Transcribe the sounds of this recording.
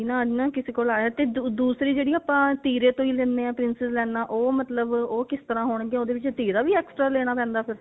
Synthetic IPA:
nãːd͡ʒnãːkɪseːkoːlaːjaːt̪eːd̪uːsɾiːd͡ʒeːɽiːaːpãːt̪iːɾeːt̪õːiːlɛ̃ːneːɛ̃ːpɾɪnsɪzlɛːnaːʔoːmət̪ləboːkɪst̪əɾãːɦoːɳ̃ɡjẽːoːd̪eːʋɪt͡ʃt̪iːɾaːʋiːɛːksʈɾaːlɛːɽ̃aːpɛ̃ːnd̪aːpʰɪɾ

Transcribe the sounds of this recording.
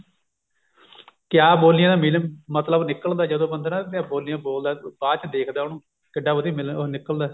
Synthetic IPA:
kɪjaːboːlnɪjãːd̪aːmilmmət̪ləbnɪkəld̪aːd͡ʒəd̪õːbənd̪ənãːt̪ɪãːboːlnɪjãːboːld̪aːbaːt͡ʃd̪eːkʰd̪aːʊnũː | kɪɖaːbəd̪iːmɪlnɪkːəld̪aː

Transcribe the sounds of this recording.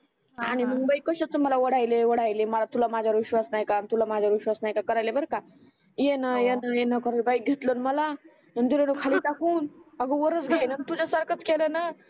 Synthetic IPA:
a̰ɽ̃imuŋbəikəɕat͡səməlaʋəɽajleʋəɽajleməlat̪ulamad͡ʑʱaʋiɕʋasnajkanit̪ulamad͡ʑʱaʋiɕʋasnajkakəɾajlebəɾka | jenajenajenakəɾɾbaiɡʱet̪lənməla | ənd̪ulenokʰaliːt̪akuːnəɡəʋəɾət͡sɡʱainant̪ud͡ʑasəɾkʰət͡skelena

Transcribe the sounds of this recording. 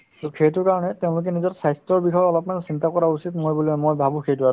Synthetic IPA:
tukʰejtʊɹkaɹɔnɛteʊ̃lʊk̬ɛnizɔtsajstɹɔɹbikʰɔjɔɔlɔpmanɛsintakɔɹausitmojbulɔɛmojbʱabũkʰejtʊatʊ̃

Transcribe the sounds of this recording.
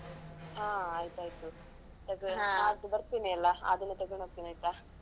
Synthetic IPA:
ɦaːaːjt̪uaːjt̪u | t̪ɐɡad̪ubɐɾt̪iːniɐlːɐa̰d̪ɐnːet̪ɐɡɐɳopt̪inɐjt̪a

